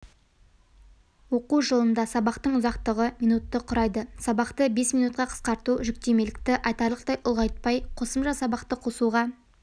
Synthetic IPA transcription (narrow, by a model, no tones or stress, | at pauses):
wo̞quʒəlˠənd̪ɑsɑbɑqt̪əɴʊzɑqt̪əʁəmijnut̪ːəqʰʊɾɑjd̪əsɑbɑqt̪əbe̞sminut̪̚qɑqʰə̥sqɑɾt̪uʒʏk̚t̪e̞me̞lɪk̚t̪ɪʔɑjt̪ɑɾlˠəqt̪ɑjʔʊlˠʁɑjt̪̚pɑjqʰo̞səmʒɑsɑbɑqt̪əqʰo̞suʁɑ